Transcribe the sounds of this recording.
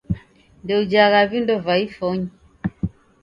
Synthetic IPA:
ndɛud͡ʒaɣavindɔvaifɔɲi

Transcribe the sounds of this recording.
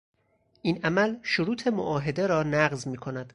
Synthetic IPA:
ʔinʔæmælʃoɾuːt̪ʰe̞moʔɒːɦe̞d̪e̞ɾɒːnæɢzmiːkʰo̞næd̪̥

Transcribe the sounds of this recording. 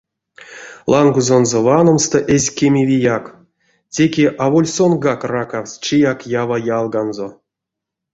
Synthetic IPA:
lˠaŋɡuzonzovanomst̪oʔesʲkʲemʲivʲijak | tʲe̞kʲeʔavolʲsonɡakrakawsʲt͡ʃijakjavajalˠɡanzo

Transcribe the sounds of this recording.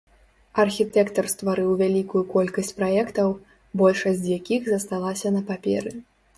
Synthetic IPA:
ɐrxʲit̪ɛkt̪ɐrst̪vaɾɨwvʲalʲikujukɔlʲkɐsʲt͡sʲpɾajɛkt̪ɐw | bɔlʲʂɐsʲd͡zʲjakʲixzɐst̪alˠasʲɐnɐpapʲɛ̰ɾɨ

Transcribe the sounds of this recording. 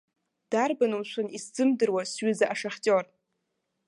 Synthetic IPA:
d̥arbanumʃʷʰanisd͡zɨmdɨrwasɥɪzaʔaʂaχʲtʼor

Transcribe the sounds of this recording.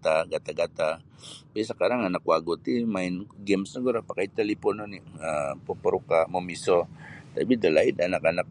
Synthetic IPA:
t̪aɡat̪aɡat̪a | pasakaɾaŋanakwaɡut̪imaɪnɡɛmsnaɡuɾapakait̪alipɔnoniapopəɾukamomisot̪abid̪əlaɪd̪anakanak̚

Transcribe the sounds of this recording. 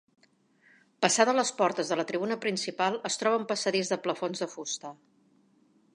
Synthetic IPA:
pəsaðələspɔɾt̪əzðələt̪ɾiβunəpɾinsipalˠəst̪ɾɔβ̞əmpəsəðizðəpləfonzðəfust̪ə

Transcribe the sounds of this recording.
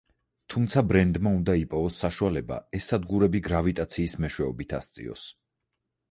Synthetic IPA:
t̪ʰumt̪sʰabɾɛnd̪maund̪aipʼɔvɔsːaʃualɛba̰ɛsːad̪ɡuɾɛbiɡɾavit̪ʼat̪sʰiːsmɛʃwɛɔbit̪ʰa̰st̪sʼḭɔ̰s

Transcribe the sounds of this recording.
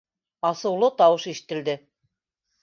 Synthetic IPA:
ɑsɤ̆wlˠɤt̪ɑwɤʃiʃɘ̥̆t̪ɘ̆ld̪ɘ

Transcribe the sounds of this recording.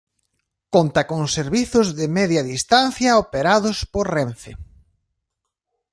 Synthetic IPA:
kont̪ɐkoŋseɾβiθʊzðɪmɛðjɐðist̪anθjɐopeɾaðʊspoɾrenθḛ

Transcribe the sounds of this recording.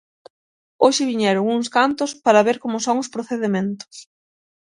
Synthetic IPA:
oʃɪβiɲɛɾʊŋuŋskant̪ʊspaɾɐβeɾkomʊsoŋʊspɾoθeðemẽnt̪ʊ̥s

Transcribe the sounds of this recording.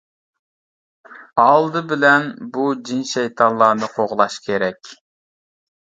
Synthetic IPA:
ɑlˠd̪ɨbɪlɛnbud͡ʒinʃɛjt̪ʰɑnlˠɑːnɨqʰoʁlˠɑʃkʲʰeɾɛkʲ

